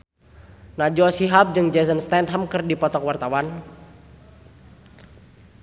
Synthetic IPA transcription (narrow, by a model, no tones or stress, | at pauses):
nad͡ʒɔsiɦap̚d͡ʒɨŋd͡ʒɛsənst̪ɛnd̪̚ɦəmkɨrdipɔt̪ɔkwart̪awan